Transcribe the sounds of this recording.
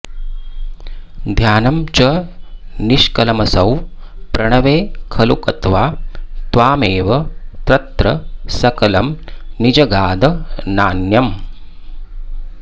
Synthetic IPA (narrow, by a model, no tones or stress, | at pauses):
d̪ʱjaːnɐmt͡ʃɐ | niʃkɐlɐmɐsɐw | pɾɐɳɐʋeːkʰɐlṵkɐt̪ʋaːt̪ʋaːmeːʋɐt̪ɾɐt̪ɾɐsɐkɐlɐmnid͡ʒɐɡaːd̪ɐnaːnjɐm